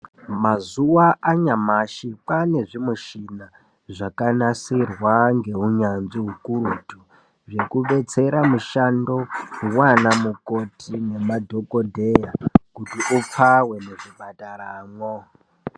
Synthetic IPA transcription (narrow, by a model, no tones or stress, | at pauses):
mazuwaʔaɲamaʃipane̞ʐimuʃina | ʐakanasirwaŋɡe̞ɦuɲanʐiɦukuɾutu | ʐe̞kuɓe̞t͡se̞ɾamuʃando̞uwanamukotʰine̞madʱokodʱejakutiʔup͡fawe̞neʐibʱataɾaːmwo